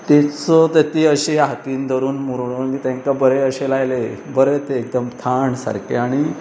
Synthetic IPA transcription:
t̪et͡sɔt̪et̪iːəɕeɦakiːnd̪ʱəɾuːnmuɾɽuːnkit̪ãŋkabəɾeəɕelajlebəɾet̪eːk̚d̪əmt̪ʰaɳsa̰ɾkḛaɽ̃i

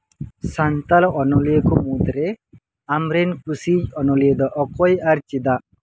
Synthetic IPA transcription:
sant̪alɔnɔlijekɔmud̪ɾɛ | amɾɛnkusid͡ʒɔnɔlijed̪ɔʔɔkɔjaɾt͡ʃid̪aʔ

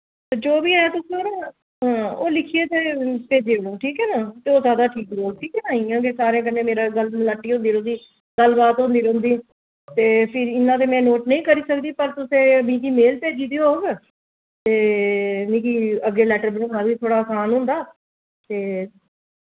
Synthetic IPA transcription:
t̪ed͡ʒoːbiːɦɛːt̪ʊsẽoːɾaː | ɦãːoːlɪkʰieːt̪eːpeːd͡ʒeːbɽõːʈʰiːkɦɛːnaːt̪eːoːzjaːd̪aːʈʰiːkboːlʈʰiːkɛːnaːĩːkõːkesaːɾẽːk̬ənːẽːmeːɾaːɡəlmlaːʈːiːɦʊ̃nd̪iːɾõnd̪iː | ɡəlbaːt̪ɦʊ̃nd̪iːɾõːnd̪iː | t̪eːpʰɪɾɪnːãːt̪̬eːmɛ̃ːnoːʈnəĩːkəɾiːsəkd̪iːpəɾt̪ʊsẽːəmĩːk̪iːmeːlpeːd͡ʒiːd̪iːɦoːɡ | t̪eːnĩːkiːəɡːeːlɛːʈəɾbənõːnãːʋiːt̪ʰoːɽaːsaːnɦʊ̃nd̪aː | t̪eː

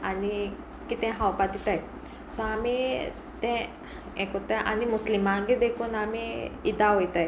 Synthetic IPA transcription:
ani | kit̪ɛ̃ɦawpad̪it̪aj | sɔami | t̪ɛ̃ | ɛkɔt̪aʔa̰nimuslimaɡed̪ekʰuːnamiid̪aɦojt̪aj

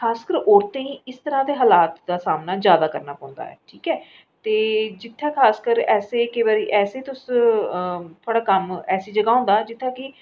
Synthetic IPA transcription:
kʰaːskəɾɔːɾt̪ẽːĩːɪst̪əɾãːd̪eːɦaːlaːt̪d̪aːsaːmnaːzjaːd̪aːkəɾnaːpãːʊ̃nd̪a̰ːɦɛ̰ːʈʰiːkɛː | t̪eːd͡ʒɪt̪ʰːãːkʰaːskəɾɛːseːkɪbaːɾiːʔɛːseːt̪ʊs | t̪ʰoaːɽaːkəmɛːsiːd͡ʒəɡaːʊ̃nd̪aːd͡ʒɪt̪ʰːãːkɪ

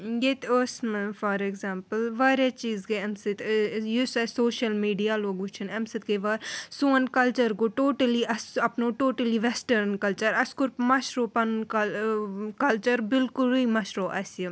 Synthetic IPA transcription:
jet̪osmfɐɾeɡzãːmpəlʋaɾjat͡ʃiːzɡeɐmsɪt̪jusɐsoːʃɐlmiːɖijaloːɡut͡ʃʰɐnɐmsɨt̪̚keʋaɾsuːɐnkɐlt͡ʃɐɾɡoʈoːʈɐliʔɐsɐpnoʈoːʈɐliʋɛsʈɐɾnkɐlt͡ʃɐɾɐskʊɾpmɐʃɾoːpɐnkɐ | kɐlt͡ʃɐɾbɪlkʊliːmɐʃɾoːʔɐsji

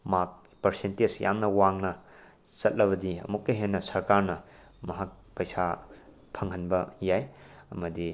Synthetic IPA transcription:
mak̚ | pɐɾsentesjʔa̰mnɐwaŋnɐ | t͡ʃɐt̚lɐβɐdiɐ̰mukːɐɦenːɐsɐɾkaɾnɐ | mɐɦak̚ | pɐjsa | pʰɐŋɦɐnbɐjajɐmɐdi

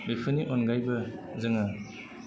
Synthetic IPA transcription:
bepʰɯniʔonɡajbɐzɯŋa

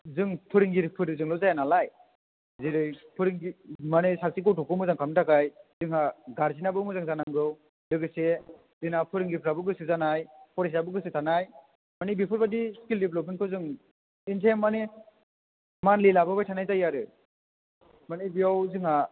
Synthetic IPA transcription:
zɯŋpʰɯɾiŋɡiɾpʰɯɾɯzɯŋlɔzajanalaj | ziɾɯjpʰɯɾiŋɡimanesasikɯwtʰɔkʰɯmɯzaŋkʰamtakajzɯŋhaɡaɾs̬inabɯmɯzaŋzanaŋɡɯw | dɯɡɯse | zinapʰɯɾiŋɡipʰɾabɯɡɯsɯzanajpʰɔɾes̬abɯɡɯsɯtʰanaj | manibipʰɯɾbadiskildipʰlɔp̬̚menkʰɯzɯŋ | int̬ʰemːani | manlilabɯbajtʰanajzajaɾɯ | manibijawzɯŋha

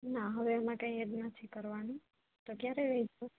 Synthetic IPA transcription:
naɦəʋeəmãkãiəd̪nat̪ʰikəɾʋanũ | t̪okjaɾeʋɛid͡ʒo

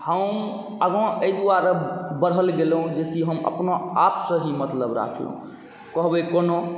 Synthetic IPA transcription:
həm | əɡɔ̃əjd̪uaɾabəɽ̤ɦəlɡelɦũd͡ʒekiɦəmə̰pnoapsə̃ɦimət̪ləbɾa̰kʰlə̰ɦṵ̃ | kəɦbəkono

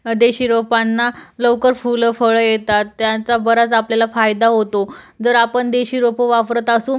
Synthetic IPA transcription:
d̪eɕiːɾopanːalowkəɾfuləfəɭəjet̪at̪ːjat͡sabəɾat͡sapljalafajd̪aɦot̪o | d͡zəɾapəɳd̪eɕiːɾopəʋafɾət̪asuːn

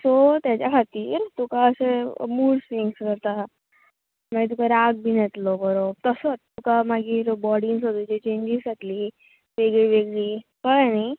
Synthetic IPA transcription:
sɔt̪jat͡ɕjakʰat̪iːɾt̪ukaəsemuːɽsɾiŋɡskəɾt̪a | maɡit̪ukaɾaɡ̚bʱinet̪lobəɾob̚t̪əsət̪ukamaɡiːɾbɔɽiŋsɦot̪ut͡ɕet͡ɕeɲd͡ʑisat̪li | ʋeɡɭiʋeɡɭiːkəɭanaj

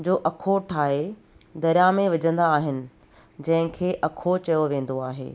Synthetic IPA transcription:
d͡ʑoːʔɐkʰoʈʰaːɦe | d̪ɐɾjamẽʋɐd͡ʑə̃nd̪aːɦɪnɪ̆ | d͡ʑɐ̃ɦɪ̃kʰeːʔɐkʰot͡ɕɐjoʋẽːn̆d̪oaːɦḛː

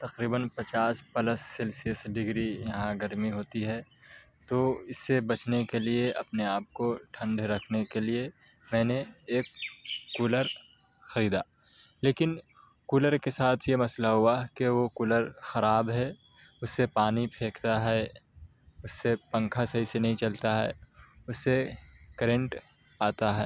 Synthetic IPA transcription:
t̪ɐqɾiːbənpɐt͡ʃaːspɐləsːelsiəsɖɪɡɾijɐɦãɡɐɾmiɦoːt̪iɦɛː | t̪oɪsːebɐt͡ʃnekelieʔɐpneaːp̚koʈʰɐ̃ɳɖɾɐkʰnekelie | mɛ̃ːneeːkːuːləɾ | xɐɾiːd̪aː | leːkɪn | kuːləɾkesaːt̪ʰjemɐslaɦʊakeʋokʊləɾxɐɾaːbɦɛ | ʊsːepaːnipʰeːkt̪aɦɛ | ʊsːepɐ̃ŋkʰasɐɦisenɐɦĩt͡ʃɐlt̪aɦɛ̰ːʊsːekəɾẽɳʈ | aːt̪aɦɛː

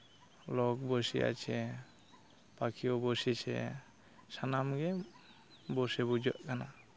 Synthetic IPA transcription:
lɔk̚bɔsiʔa̰t͡ʃʰɛ | pakʰiɔbɔsit͡ʃʰɛ̰ | sanamɡɛ | bɔsɛbud͡ʒɔʔkʰana

